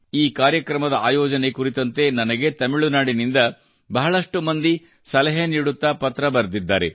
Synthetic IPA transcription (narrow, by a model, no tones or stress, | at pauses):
iːkaːɾjɐkɾɐmɐd̪ɐaːjɔːd͡ʒɐne̞kuɾit̪ɐnt̪e̞nɐnɐɡe̞t̪ɐmiɭunaːɽinind̪ɐ | bɐɦɐɭɐʂʈumɐnd̪i | sɐlɐɦeniːɽut̪ːɐpɐt̪ɾɐbɐɾd̪id̪ːaːɾḛ